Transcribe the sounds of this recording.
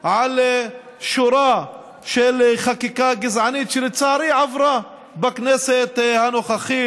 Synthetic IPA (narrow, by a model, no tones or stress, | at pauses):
ʕal | ʃuɾa | ʃelχakikaɡɪzʕanit̪ʃelt͡saɾiʕavɾa | bakneset̪hanoχaχi